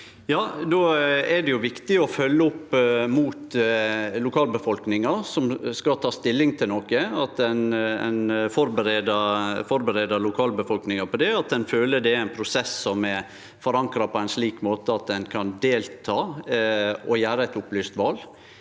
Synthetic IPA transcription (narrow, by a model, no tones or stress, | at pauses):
jɑːd̪oɛɖɛjʊʋɪkt̪ɪɔfœlːəʊpːmuːt̪ | lʊkʰɑːlbəfɔlknɪŋɑsɔmskɑt̪ʰɑːst̪ɪlːɪŋt̪ʰɪlnɔkəɑt̪ɛnɛ̰nfɔɾbəɾeːd̪ɑfɔɾbəɾeːd̪ɑlʊkʰɑːlbəfɔlknɪŋɑpʰɔd̪ɛɑt̪̚d̪ɛnføːləd̪ɛæɪnpʰɾʊsɛsːɔmɛ | fɔɾɑŋkɾɑpʰɔæɪnsliːkmoːt̪əɑt̪̚d̪ɛnkʰɑnd̪eːlt̪ʰɑː | ɔjæːɾəɛt̪ʊplyːst̪ʋɑːl